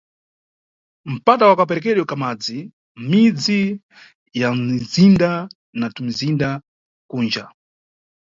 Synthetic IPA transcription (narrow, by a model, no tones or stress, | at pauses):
m̩patawakapɛɾɛkɛɗwɔkamad͡zi | mid͡zi | jam̩izinda | natumizinda | kuːnd͡ʒa